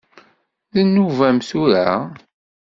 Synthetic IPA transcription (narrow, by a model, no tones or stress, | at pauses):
ðənːuvæmθuɾa